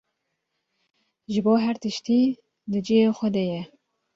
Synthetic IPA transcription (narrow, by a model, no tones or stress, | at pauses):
ʒɨboːɦæɾt̪ɨʃt̪iː | d̪ɨd͡ʒijeːxʷɛd̪ɛjɛ